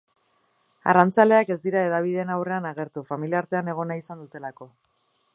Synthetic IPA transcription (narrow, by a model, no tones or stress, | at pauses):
a̰rant͡sale̞ake̞zd̪iɾae̞ðaβ̞iðe̞nawre̞anaɣe̞ɾt̪ufamiliaɾt̪e̞ane̞ɣ̞o̞naisand̪ut̪e̞lako̞